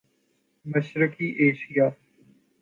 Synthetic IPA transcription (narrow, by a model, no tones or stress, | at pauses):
məʃɾɪkiːʔeːʃɪjaː